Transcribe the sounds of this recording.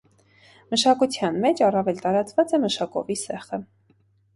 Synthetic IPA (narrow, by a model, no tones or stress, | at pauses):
məʃɑkut͡sʰjɑnmɛt͡ʃɑrɑvɛlt̪ɑɾɑt͡svɑt͡sɛməʃɑkɔ̰visɛχə